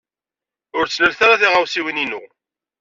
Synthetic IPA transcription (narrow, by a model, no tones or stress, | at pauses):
ʊɾt͡sːləlθaɾaθiʁawsiwininʊ̰